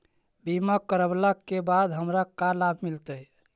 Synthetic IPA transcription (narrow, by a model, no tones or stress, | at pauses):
bimakːəɾəblakːebad̪ɦəmɾakalabʱmilt̪əj